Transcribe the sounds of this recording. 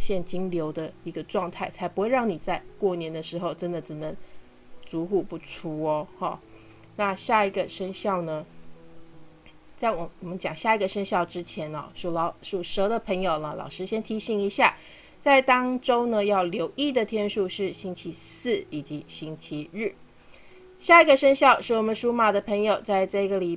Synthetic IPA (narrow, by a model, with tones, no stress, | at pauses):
ɕjɛ˥˩nt͡ɕi˥ŋljo˧˥ʊd̪ə˧i˧˥ɡə˧ʈ͡ʂwɑ˥˧ŋt̪ʰa˥˩ɪt͡sʰa˧˥ɪpxe˥˧ɻɑ˥˩ŋni˨˩t͡sa˥˧ɪkwɔ˥˩njɛ˧˥nd̪ə˧ʂɻ̩˧˥xo˥˧ʊʈ͡ʂə˥nd̪ə˨ʈ͡ʂɻ̩˨˩nə˧˦˥ŋ | t͡su˧˥xu˥˧pu˥˩ʈ͡ʂʰu˥ɔ˧xɑ̰˥˩ | na˥˧ɕja˥˩i˧˥ɡə˧ʂə˥ŋɕjɑ˥˩ʊnə˩ | t͡sa˥˩ɪwɔ˨˩ɔ˨˩mə˦nt͡ɕjɑ˨˩ŋɕja˥˩i˧˥ɡə˧ʂə˥ŋɕjɑ˥˩ʊʈ͡ʂɻ̩˥t͡ɕʰjɛ˧˥nɐ̰˥˧ʂu˨˥˩lɑ˧˥ʊʂu˥˩ʂɤ˧˥d̪ə˨pʰɤ˧˥ŋjo˨˩ʊnə˦lɑ̰˨˩ʊʂɻ̩˥ɕjɛ˥nt̪ʰi˧˥ɕi˧˩˦ŋi˧˥ɕja˥˩ | t͡sa˥˩ɪt̪ɑ˥ŋʈ͡ʂo˥ʊnə˨jɑ˥˩ʊljo˧˥ʊʔi˥˩d̪ə˨˩t̪ʰjɛ˥nʂu˥˧ʂɻ̩˥˩ɕi˥nt͡ɕʰi˧˥sɹ̩˥˩i˨˩t͡ɕi˧˥ɕi˥nt͡ɕʰi˧˥ɻɻ̩˥˩ | ɕja˥˩i˧˥ɡə˧ʂə˥ŋɕjɑ˥˧ʊʂɻ̩˥˩wɔ˨˩mə˦nʂu˥ma˨˩d̪ə˩pʰɤ˧˥ŋjo˨˩ʊt͡sa˥˧ɪʈ͡ʂɤ˥˩i˧ɡə˨li˨˩